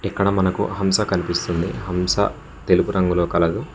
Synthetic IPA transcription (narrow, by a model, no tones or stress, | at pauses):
ɛkːɐɽɐmɐnɐkṵɦɐmsɐkɐnipist̪und̪iɦɐmsɐ̰ | t̪e̞lupuɾɐŋɡuloːkɐlɐd̪u